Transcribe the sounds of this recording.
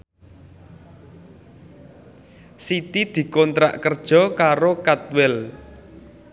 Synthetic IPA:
sit̪id̪̥i̤kɔnt̪ɾa̰ʔkərd̥ʒ̥ɔ̤kaɾokat̪̚wɪl

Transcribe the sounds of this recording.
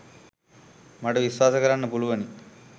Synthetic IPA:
mɐʈɐʋiʃʋaːsɐkɐɾɐnːɐpuɭuʋɐni

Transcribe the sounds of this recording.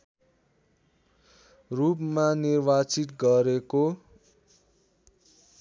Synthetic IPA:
rupmanirbat͡sit̪ɡʌɾeko

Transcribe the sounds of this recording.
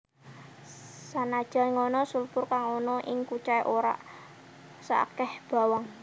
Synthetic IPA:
sanad̥ʒ̥a̤ŋɔnɔsulpʊrkaŋonɔʔɪŋkut͡ʃaiʔoɾa̰ʔ | sa̰kɛhb̥a̤waŋ

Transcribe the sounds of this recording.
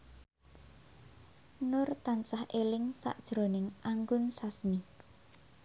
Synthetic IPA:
nʊrt̪ant͡ʃahʔelɪŋsa̰ʔd̥ʒ̥ɾonɪŋʔaŋɡʊnsasmi

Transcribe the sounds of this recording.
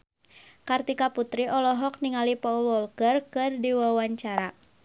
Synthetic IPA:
kart̪ikaput̪ɾiʔɔlɔɦɔk̚niŋalipɔulwɔlkərkɨrdiwawaɲt͡ʃaɾa

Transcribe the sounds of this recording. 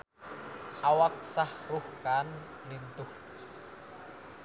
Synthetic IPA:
ʔawak̚sahruhkan | lint̪ʊh

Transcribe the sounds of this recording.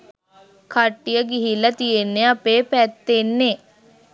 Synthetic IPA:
kʰɐʈːijəɡiɦilət̪ienːeɐpepɛt̪ːenːe

